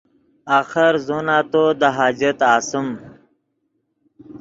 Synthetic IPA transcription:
aːxəɾzonaːt̪od̪əɦaːd͡ʑət̪aːsəm

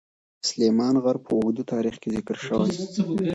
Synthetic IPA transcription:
slemɑnɣaɾpʰəʊɡd̪ut̪ʰɑɾixkezɪkɾʃəwaj

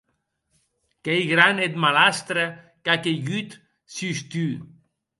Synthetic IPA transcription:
kejɣɾanet̪malast̪ɾe | kakeɣyt̪ | syst̪y

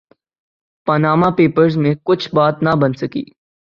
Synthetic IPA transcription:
pɐnaːmapeːpəɾzmẽkʊt͡ʃʰbaːt̪nɐbɐnsɐkḭː

